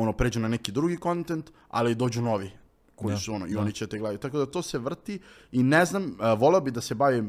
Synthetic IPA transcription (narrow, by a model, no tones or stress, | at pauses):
onopɾe̞d͡ʒunanɛkid̪ɾuɡiko̞nt̪ent̪ | a̰lid̪o̞ːd͡ʑuno̞ʋi | ko̞jisuono̰io̞nit͡ɕeat̪eɡlˠad̪it̪akod̪at̪oːse̞ʋr̩t̪i | ineznamʋo̞leobid̪ase̞baʋi